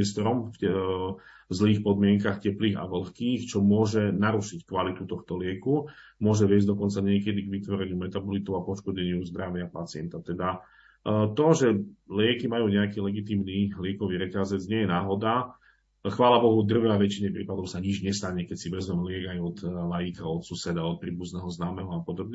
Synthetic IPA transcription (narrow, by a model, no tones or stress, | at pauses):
ɛst̪ɔɾɔmf | zliːxpɔd̪mɪɛŋkaxcɛpliːɣa̰ʋl̩xkiːxt͡ʃɔmʊɔʒɛnaɾuʃickʋalit̪ut̪ɔxt̪ɔlɪɛku | mʊɔʒɛʋɪɛzɟd̪ɔkɔnt͡saɲɪɛkɛd̪iɡʋit̪ʋɔɾɛɲɪumɛt̪abɔlit̪ɔʊapɔʃkɔɟɛɲɪuzd̪ɾaʋɪapat͡sɪɛ̰nt̪at̪ɛd̪a | t̪ɔʒɛlɪɛkimajuːɲɛakiːlɛɡit̪iːmnilɪɛkɔʋiɾɛcazɛd͡zɲɪɛjɛnaːɦɔd̪a | xʋaːlabɔɦud̪r̩ʋɛaʋɛt͡ʃiɲɛpɾiːpad̪ɔʊsaɲid͡ʒɲɛst̪aɲɛkɛcsiʋɛzmɛmɛlɪɛɡajɔt̪lajikaɔt̪susɛd̪aɔt̪̚pɾiːbuznɛɦɔznaːmɛɦɔapɔd̪ɔbɲɛ